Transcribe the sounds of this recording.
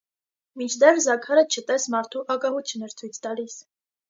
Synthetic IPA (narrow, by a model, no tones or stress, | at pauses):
mint͡ʃʰd̪ɛrzɑkʰɑɾət͡ʃʰət̪ɛsmɑɾt̪ʰuʔɑkɑhut͡sʰjunɛɾt͡sʰujt͡sʰt̪ɑlis